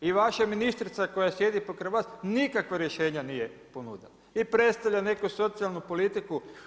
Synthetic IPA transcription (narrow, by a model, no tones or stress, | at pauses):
iʋaʃaminist̪ɾit̪sako̞jasje̞d̪ipokɾeʋaːsnikakʋaɾje̞ʃe̞ːɲanijeponṵd̪en | ipɾe̞t̪st̪aʋʎane̞kuso̞t̪sialˠnupolit̪iku